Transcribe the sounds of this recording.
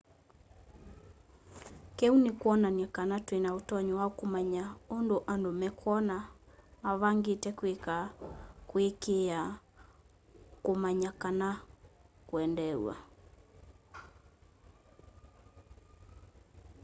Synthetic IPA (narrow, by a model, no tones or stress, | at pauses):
kɛunekwɔnanjakanatwenaotɔɲɔwaokomaɲaondoʔandomɛkʰwɔnamaβaŋɡetɛkwekakwekea | komaɲakana | kwɛndɛw̰wa̰